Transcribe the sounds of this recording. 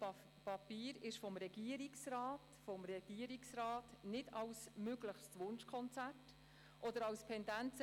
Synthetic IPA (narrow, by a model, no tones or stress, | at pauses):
pɑpiːɾɪʃfɔmɾɛɡiːəɾiksraːtfɔmɾɛɡ̥iːəɾiksrɑːtnɪdɑwsmøɡləχstʋʊnʃkʰɔnt͡sæt | ʔɔdəɾɑwstʰɛndænt͡sə